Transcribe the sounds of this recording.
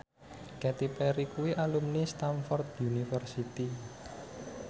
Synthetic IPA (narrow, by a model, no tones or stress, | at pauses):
kɛt̪ipɛɾikuwiʔalumnist̪anfɔrt̪unifərsit̪i